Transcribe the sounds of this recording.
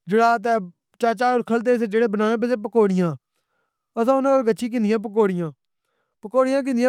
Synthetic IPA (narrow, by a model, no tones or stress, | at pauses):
d͡ʒɪɽaːt̪̬ɛː | t͡ʃaːt͡ʃaːoɾkʰəlt̪̬eːsed͡ʒeːɽeːbənaːẽːbəseːp̬əkoːɽɪjãː | əsãːʊnãːəɾɡəʃiːk̬ɪ̃nd̪ɪjãːp̬ək̬oːɽɪjãː | pəkoːɽɪjãːk̬ɪ̃nd̪jãː